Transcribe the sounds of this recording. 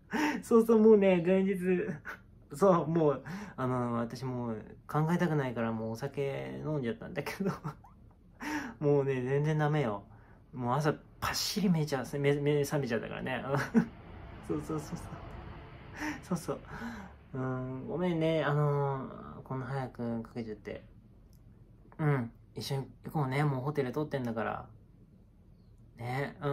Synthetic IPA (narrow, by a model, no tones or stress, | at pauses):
so̞ːsoːmoːne̞d͡zẽ̞ɲd͡ʑit͡sɨ | so̞ːmoːano̞βat̪aɕimo̞ːkãŋɡaet̪akɯ̟naikaɾamo̞ːsake̞nõ̞ɲd͡ʑat̪ːã̰nd̪ake̞d̪o | moːne̞d͡zẽ̞nd͡zẽ̞nd̪ame̞jo̞ | moːas̬a | pʰaɕiɾʲimet͡ɕaemesamet͡ɕad̪a̰ka̰ɾa̰neɯ̃ | soːsoːsoːsoː | so̞ːso̞ː | ɯ̟̃ːɡo̞mẽ̞nːe̞ano̞ | ko̞nːoɦajakɯ̟kḁke̞t͡ɕat̪ːe̞̰ | ɯ̟̃ɴ | iɕːoɲ̟iko̞ːne̞mo̞ːɦo̞t̪e̞ɾɯ̟t̪o̞t̪ːẽ̞nd̪akaɾa̰ | ne̞ɯ̃